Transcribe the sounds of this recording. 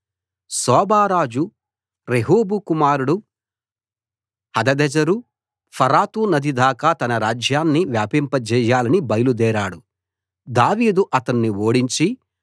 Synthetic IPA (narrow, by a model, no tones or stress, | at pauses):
sɔːbaːɾaːd͡ʒu | ɾeɦuːbukumaːɾuɽu | hɐd̪ɐd̪ɛd͡ʒɐɾu | pʰɐɾaːt̪unɐd̪ʱid̪aːkaːt̪ɐnɐɾaːd͡ʒjaːnːiʋjaːpimpɐd͡ʒɛːjaːlɐnibɐjɐlud̪ɛːɾaːɽu | d̪aːʋiːd̪uʔɐt̪ɐnːioːɽiɲt͡ʃi